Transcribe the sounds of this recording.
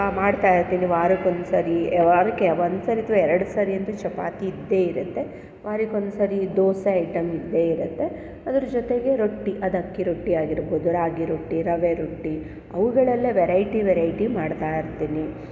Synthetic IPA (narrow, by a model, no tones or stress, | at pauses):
maːɽt̪aːjiɾt̪iːniʋaːɾikond̪usɐːɾiʋaɾkeʋond̪sɐːɾit̪ːuʋɐɛɾɐɽusɐːɾiɐnt̪ut͡ʃɐpa̰ːt̪iːd̪ːe̞ːiɾut̪ːe̞ | ʋaːɾikond̪sɐɾid̪oːsɐɐjʈɐmid̪ːe̞ːiɾut̪ːe̞ | ɐd̪ɐɾɐd͡ʒot̪eɡe̞ɾoʈːiʔɐd̪ɐkːiɾoʈːiaːɡiɾboːd̪uɾaːɡiɾoʈːiɾɐʋeɾoʈːi | ɐ̰ʋuɡɐɭɐlːeʋeɾɐjʈiʋɛɾɐjʈimaːɽt̪aːjiɾt̪iːni